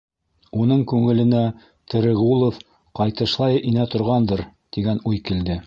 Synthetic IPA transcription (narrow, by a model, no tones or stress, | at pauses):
unɤɴkʉŋɘ̆lɘ̆næ | t̪ɘ̆ɾɘ̆ʁulˠof | qɑjt̪ɤ̆ʃlˠɑjɤʔinæt̪ŏɾʁɑnd̪ɤɾt̪iɡænujkild̪ɘ